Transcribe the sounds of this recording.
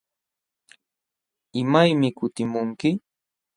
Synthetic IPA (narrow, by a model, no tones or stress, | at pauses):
ɪmajmɪkʊt̪ɪmʊŋkɪ